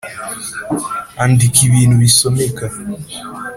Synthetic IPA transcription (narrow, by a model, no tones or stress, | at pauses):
andikʰiβiːn̤uβisomeka